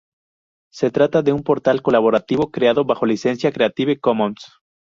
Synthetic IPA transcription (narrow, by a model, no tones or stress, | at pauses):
se̞t̪ɾat̪aðe̞umpo̞ɾt̪alko̞laβo̞ɾat̪iβo̞kɾeaðo̞βaxo̞lise̞nsjakɾe̞at̪iβekomõns